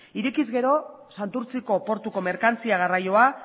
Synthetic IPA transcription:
iɾekizɡe̞ɾo̞ | sant̪uɾt͡siko̞po̞ɾt̪uko̞me̞ɾkant͡siaɣ̞arajo̞a

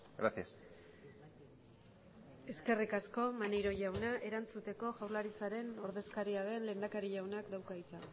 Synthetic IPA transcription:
ɡɾasias | e̞ske̞rikasko̞mane̞jɾo̞ʝawnaʔe̞ɾant͡sut̪e̞ko̞ʝawɾlaɾit͡saɾe̞no̞ɾðe̞skaɾiaðe̞nle̞ːnd̪akaɾiʝawnakd̪awkait̪a

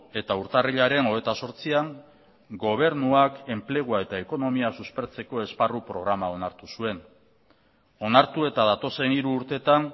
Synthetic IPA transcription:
e̞t̪auɾt̪ariʎaɾe̞no̞et̪aso̞ɾt͡siaŋ | ɡo̞β̞e̞ɾnuake̞mple̞ɣ̞uae̞t̪ae̞ko̞no̞miasuspe̞ɾt͡se̞ko̞e̞sparupɾo̞ɣɾamao̞naɾt̪usue̞n | o̞naɾt̪ue̞t̪aðat̪o̞se̞niɾuːɾt̪e̞t̪aŋ

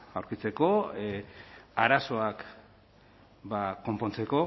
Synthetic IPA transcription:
awɾkit͡se̞ko̞ | aɾaso̞ak | bako̞mpo̞nt͡se̞ko̞

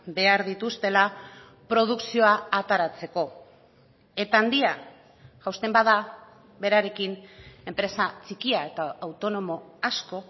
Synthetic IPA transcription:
be̞aɾðit̪ust̪e̞la | pɾo̞ð̞uksio̞aːt̪aɾat͡se̞ko̞ | e̞t̪aːnd̪ia | ʝawst̪e̞mbaða | βe̞ɾaɾe̞kine̞mpɾe̞sat͡sikiae̞t̪aawt̪o̞no̞mo̞asko̞

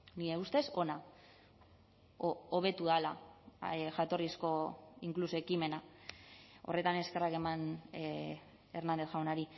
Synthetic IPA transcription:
nieust̪e̞so̞na | oβe̞t̪uðala̰ | ʝat̪o̞risko̞iŋklusoekime̞na | o̞̰re̞t̪ane̞ske̞rake̞man | eɾnand̪e̞θxawnaɾi

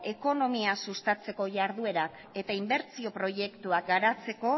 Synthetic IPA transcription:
e̞ko̞no̞miasust̪at͡se̞ko̞ʝaɾðue̞ɾak | e̞t̪aimbe̞ɾt͡sio̞pɾo̞je̞kt̪uakɡaɾat͡se̞ko̞

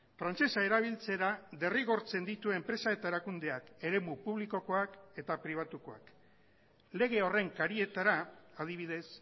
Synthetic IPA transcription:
fɾant͡se̞sae̞ɾaβ̞ilt͡se̞ɾaðe̞riɣo̞ɾt͡se̞nd̪it̪ue̞mpɾe̞sae̞t̪aeɾakund̪e̞ake̞ɾe̞mupuβliko̞ko̞ake̞t̪apɾiβ̞at̪uko̞a̰k | le̞ɣ̞e̞o̞re̞ŋkaɾie̞t̪aɾaað̞iβ̞iðe̞s

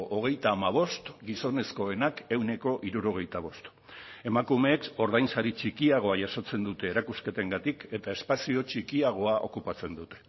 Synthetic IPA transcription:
ʔoɣ̞e̞jt̪aːmaβ̞o̞st̪ɡiso̞ne̞sko̞e̞nake̞wne̞ko̞ʔiɾuɾo̞ɣ̞e̞jt̪aβ̞o̞st̪ | e̞makume̞ːko̞ɾðajnsaɾit͡ʃikiaɣ̞o̞aʝaso̞t͡se̞nd̪ut̪e̞ːɾakuske̞t̪e̞ŋɡat̪ike̞t̪ae̞spasio̞t͡ʃikiaɣ̞o̞aʔo̞̰kupat͡se̞nd̪ut̪e̞̥

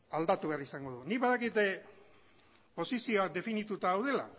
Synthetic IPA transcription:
ald̪at̪uβe̞arisaŋɡo̞ðunikβaðakit̪e | po̞sisio̞ak̚d̪e̞finit̪ut̪aːwð̞e̞la̰

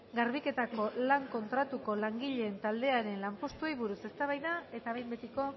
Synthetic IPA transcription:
ɡaɾβike̞t̪ako̞laŋko̞nt̪ɾat̪uko̞laŋɡiʎe̞ːnt̪ald̪e̞aɾe̞nlampo̞st̪uejβuɾuse̞st̪aβajðae̞t̪aβejmbet̪iko̞

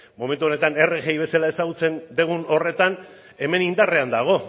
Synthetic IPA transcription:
mo̞me̞nt̪uo̞ne̞t̪ane̞reɣejβe̞salae̞saɣut͡se̞nd̪eɣuno̞re̞t̪an | e̞me̞nind̪are̞and̪aɣ̞o̞

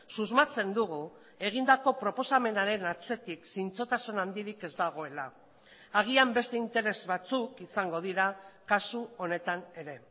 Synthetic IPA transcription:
suzmat͡se̞nd̪uɣu | e̞ɣ̞ind̪ako̞pɾo̞po̞same̞naɾe̞nat͡se̞t̪iksint͡so̞t̪asunand̪iɾike̞zd̪aɣ̞o̞e̞la | aɣ̞iambe̞st̪e̞int̪e̞ɾe̞zβat͡sukisaŋɡo̞ðiɾakasuo̞ne̞t̪ane̞ɾe̞

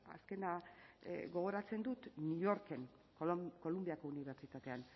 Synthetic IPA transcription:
a̰ske̞na | ɣo̞ɣ̞o̞ɾat͡se̞nd̪ut̪nio̞ɾke̞ŋ | kko̞lumbiako̞uniβ̞e̞ɾt͡ʃit̪at̪e̞an

